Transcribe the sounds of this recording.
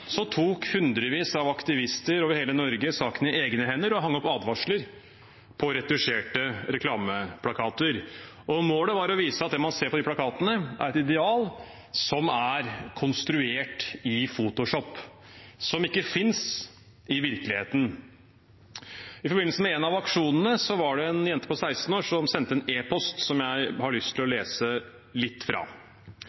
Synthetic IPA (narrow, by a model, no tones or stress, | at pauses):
sɔt̪ʰuːkhʉnd̪ɾəʋiːsɑʋɑkt̪ɪʋɪst̪əɾoːʋəɾheːlənɔɾɡəsɑːkənɪeːɡnəhɛnːəɾɔɦɑŋːəɔpːɑːd̪ʋɑʂləɾ | pʰɔɾɛd̪ʉʂeːʈəɾɛkʰlɑːməpʰlɑkʰɑːt̪əɾ | ɔmoːləʋɑɾɔʋiːsəɑt̪̚d̪ɛmɑnseːɾpɔd̪ɪpʰlɑkʰɑːt̪ənəʔæ̰ɾɛt̪ɪd̪ɛɑːl | sɔmæɾkʰɔnst̪ɾʉeːʈɪfuːt̪ʊʂɔpː | sɔmɪkːəfɪns | ɪʋɪɾkəlɪheːt̪ən̩ | ɪfɔɾbɪnːsəmɛɛnɑʋɑkʂuːnənəsɔʋɑɖɛɛnjɛnt̪əpɔsæɪst̪n̩oːʂɔmsɛnt̪əɛneːpʰɔst̪sɔmjæɪhɑɭʏst̪ʰɪlɔleːsə | lɪt̪ːfɾɑ̰ː